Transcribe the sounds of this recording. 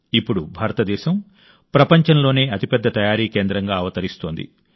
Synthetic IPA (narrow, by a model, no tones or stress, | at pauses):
ipːuɽubʱaːɾɐt̪ɐd̪ɛːʃɐm | pɾɐpɐɲt͡ʃɐnlo̞ːne̞ːɐt̪ipɛd̪ːɐt̪ɐjaːɾiːke̞ːnd̪ɾɐŋɡaːɐʋɐt̪ɐɾist̪o̞ːnd̪ḭ